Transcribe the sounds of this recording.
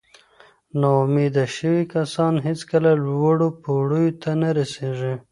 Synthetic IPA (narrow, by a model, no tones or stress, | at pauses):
nɑmed̪aʃəwikasɑnɦet͡skəlalwəɽopoɽəjot̪anaɾaseʐi